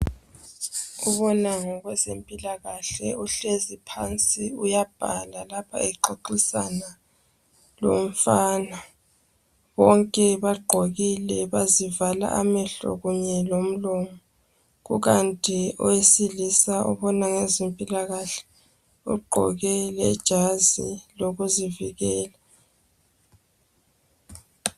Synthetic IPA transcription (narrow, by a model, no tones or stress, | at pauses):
uβɔnaŋɔɣwɛzempʼilaɣaɬɛ̰uɬezipʰant͡sʼiujab̥ʱalalapʰa̰ɛǃoǃisana | lo̰m̩faːna | βɔŋkʼɛβaɡ͡ǃʱoɣilɛβazivala̰ʔamɛɬɔ̰ɣuɲɛlom̩lɔmɔ | ɣṵɣantʼiɔwesilisaṵβɔnaŋezempʼilaɣaɬɛ̥ | ṵɡ͡ǃʱɔ̰ɣɛlɛd̥ʒ̥ʱaziloɣuziviɣɛːla